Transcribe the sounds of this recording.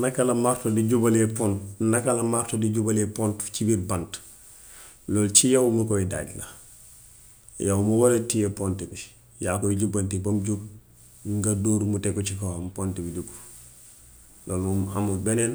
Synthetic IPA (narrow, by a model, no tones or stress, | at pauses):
nɐkɐlɐmaɾtodiɟubɐlepɔntnɐkɐlɐmartodiɟubalepontt͡ʃibiɾbant | loːlt͡ʃijɐwmukoida̰ːɟla̰ | jawmuwaletijepontibi | jaːkoɟubɐntibɐmɟub | ŋɡɐdoːɾmutekːot͡ʃikowampontibiɟubu | loːlmuma̰mubenen